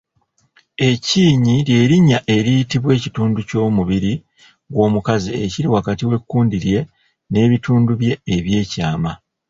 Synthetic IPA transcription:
e̞ciːɲiɾje̞ːɾiɲːaʔe̞ɾijitiβwe̞ːcituːnduco̞ːmuβiɾi | ɡwo̞ːmukazieciɾiwakatiwe̞kːuːndiɾje̞ | ne̞ːβituːnduβje̞ːβje̞ːcaːma

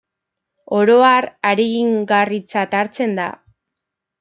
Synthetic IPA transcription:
o̞ɾo̞araɾeɣiŋɡarit͡sat̪aɾt͡se̞nd̪a̰

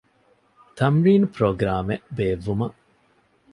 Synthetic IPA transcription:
t̪ʰɐmɾiːnpɾoːɡɾaːmeʔbeːʋːumɐʔ

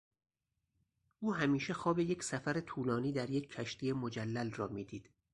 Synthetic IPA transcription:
ʔuːɦæmiːʃe̞xɒːbe̞jecʰsæfæɾe̞t̪ʰuːlɒːniːd̪æɾje̞cʰːæʃt̪iːjemod͡ʒælːælrɒːmiːd̪iːd̪̥

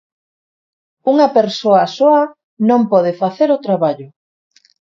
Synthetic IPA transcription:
uŋɐpeɾsoɐsoɐ | nõmpɔð̞efaθeɾʊt̪ɾaβaʎʊ

